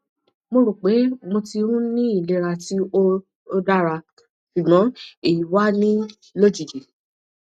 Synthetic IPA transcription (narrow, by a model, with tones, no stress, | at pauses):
mo˧ɾo˨k͡pe˨˦mo˧ti˧ũ˦nĩ˦i˦˨le˨˦ɾa˧ti˦o˦ | o˧da˦ɾa˧ | ʃu˨nɔ̃˨˦e˦˨ji˨wa˦nĩ˦ | lo˦˨d͡ʒi˨d͡ʒe˨